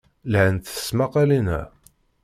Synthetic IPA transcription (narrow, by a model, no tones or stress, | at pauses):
lʕənt̪ə̥smaqælinæ̰